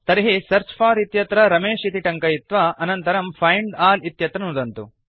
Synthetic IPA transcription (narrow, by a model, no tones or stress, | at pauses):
t̪ɐɾiɦisɐɾt͡ʃpʰaːɾit̪jɐt̪ɾɐɾɐmeːʂit̪iʈɐŋkɐjit̪ʋɐʔɐnɐnt̪ɐɾɐmpʰɐjɳɖaːlit̪jɐt̪ɾɐnud̪ɐnt̪u